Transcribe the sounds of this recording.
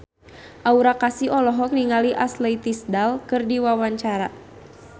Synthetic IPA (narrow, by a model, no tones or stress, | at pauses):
ʔauɾakasiɔlɔɦɔk̚niŋaliʔasleit̪isdalkɨrdiwawaɲt͡ʃaɾa